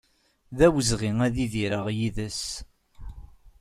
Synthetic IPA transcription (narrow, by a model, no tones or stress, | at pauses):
ðæwəzʁiŋæðiðiɾəʁjiðəs